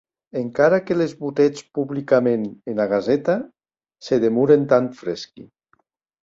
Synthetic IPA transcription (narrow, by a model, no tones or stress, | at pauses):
eŋkaɾakelezβut̪ɛt͡spuβlikamenenaɣ̞azɛt̪a | seðemuɾent̪aɱfɾɛskḭ